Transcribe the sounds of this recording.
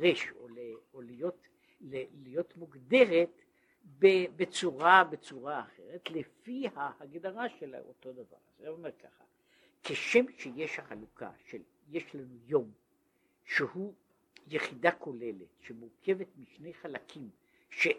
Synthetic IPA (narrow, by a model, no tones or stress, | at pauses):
ʁeʃo̰le | olijot̪ | lelijo̞t̪muɡd̪e̞ʁet̪ | bebet͡suʁabet͡suʁaːχe̞̰ʁet̪lefihahaɡd̪aʁaʃela̰o̰to̞d̪ava̰ʁazamomeʁkʰa̰χa | kʰeʃemʃejeʃhaχalukʰa̰ʃel | jeʃlanujo̞m | ʃehu | jeχid̪akʰo̞le̞let̪ʃemuʁkʰe̞vet̪miʃne̞jχalakʰim | ʃe